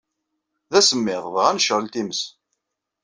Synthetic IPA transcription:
ðæsəmːɪðˤvʁænʃʁəlt̪iməs

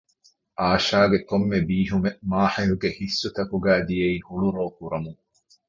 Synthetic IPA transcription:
ʔaːʃaːɡekomːebiːɦumemaːħijuɡehisːut̪ɐkuɡæːd̪ijeiːhuɭuɾoːkuɾɐmuŋ

